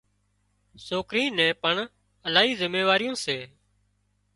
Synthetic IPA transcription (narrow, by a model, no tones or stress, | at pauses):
soːkɾĩːnɛ̃ːpəɳ | əlaːɦiːzɪmeːʋaːɾɪjõːseː